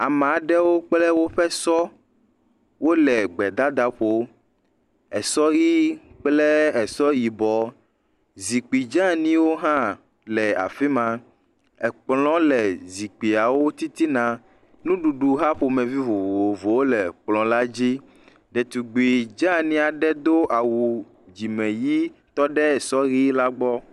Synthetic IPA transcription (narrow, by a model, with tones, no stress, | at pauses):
a˨m˨ɖɛ˦wo˦k͡plɛ˦wo˦ɸɛ˦sɔ˦ | wo˦lɛ˨ɡ͡bɛ˨d̪a˦d̪a˦ɸo˦ | ɛ˨sɔ˦ji˦k͡plɛ˦ɛ˨sɔ˦ji˨bɔ˨ | zi˨k͡pi˨d͡ʒã˦nĩ˦wo˦ɦã˦ | lɛ˨a̰˨fi˦mã˨ | ɛ˨k͡plɔ̃˦lɛ˨zi˨k͡pi˨a˨wo˦t̪i˦t̪i˦nã˨ | nũ˦ɖu˨ɖu˨ɦa˦ɸo˨mɛ̃˨vi˦vo˨vo˨o˨vo˨wo˦lɛ˨k͡plɔ̃˨la˦d͡ʑi˦ | ɖɛ˨t̪u˨ɡ͡bi˨d͡ʒã˦nĩ˦a˨ɖɛ˦d̪o˦ʔa˨wu˨ | d͡ʒi˨mɛ̃˨ji˦t̪ɔ˦ɖɛ˦ɛ˨sɔ˦ɣi˦la˦ɡ͡bɔ˦